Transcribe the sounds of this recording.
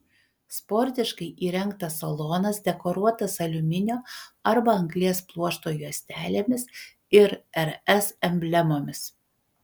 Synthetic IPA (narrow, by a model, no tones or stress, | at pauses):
spɔɾʲt̪ʲɪʃkɐɪʔiːɾʲɛŋˑkt̪ɐsːɐlˠoːnɐsd̪ʲɛkoːɾuɔt̪ɐsɐlʲʊmʲɪnʲoːɐɾbɐɐŋɡlʲiɛsplˠuɔʃt̪oːjuɔsʲt̪ʲæːlʲeːmʲɪs | ɪɾɛɾɛsɛmʲbʲlʲɛmoːmʲɪs